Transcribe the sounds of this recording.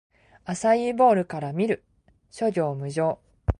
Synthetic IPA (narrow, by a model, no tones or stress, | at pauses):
asaibo̞ːɾɯ̟kaɾamʲiɾɯ̟ | ɕo̞ɾʲo̞ːmɯ̟ʑo̞ː